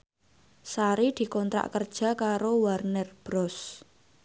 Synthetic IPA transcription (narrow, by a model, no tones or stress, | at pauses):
saɾid̪̥i̤kɔnt̪ɾa̰ʔkərd̥ʒ̥ä̤kaɾowarnɛrb̥ɾɔs